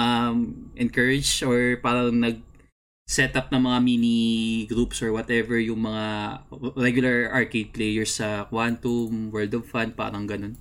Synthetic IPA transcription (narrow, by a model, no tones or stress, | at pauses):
ɐmʔɛnkɛɹɪd͡ʒoɹpaːɾɐŋnɐɡ̚ | sɛt̪ɐp̚nɐŋmɐŋaminiɡɾupsɔɹwɐt̪ɛvɛɹjʊŋmɐŋa | ɾɛɡjʊlɐɹɐɹked̪̚plɛjɛɹsːɐkwant̪umwɛld̪ɔvfand̪̚pa̰ːɾɐŋɡɐno̞n